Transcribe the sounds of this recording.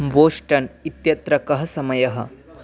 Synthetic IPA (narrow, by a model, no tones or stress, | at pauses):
boːsʈɐnit̪jɐt̪ɾɐkɐɦɐsɐmɐjɐɦɐ̰̆